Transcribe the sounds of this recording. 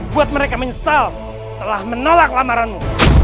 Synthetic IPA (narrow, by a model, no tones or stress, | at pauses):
buat̪̚məɾekaməɲəsal | t̪əlahmənolak̚lamaɾanmu